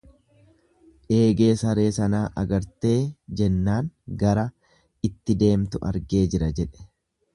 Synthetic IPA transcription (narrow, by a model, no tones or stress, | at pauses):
ᶑe̞ːɡe̞ːsɐɾe̞ːsɐnaːʔɐɡɐɾt̪e̞ːd͡ʒɛnːaːŋɡɐɾɐ | ɪt̪ːɪd̪e̞ːmt̪ʊʔɐ̰ɾɡe̞ːd͡ʒɪɾɐd͡ʒɛᶑɛ̥